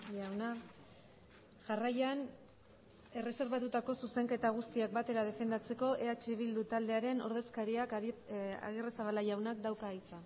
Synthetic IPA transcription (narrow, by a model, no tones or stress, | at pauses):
ʝawna | ʝarajan | e̞re̞se̞ɾβat̪ut̪ako̞suse̞ŋke̞t̪aɣ̞ust̪iak̚bat̪e̞ɾað̞e̞fe̞nd̪at͡se̞ko̞ʔe̞at͡ʃe̞βild̪ut̪ald̪e̞aɾe̞no̞ɾð̞e̞skaɾiak | a̰ɣeresaβalaʝawnak̚d̪awkaːit͡sa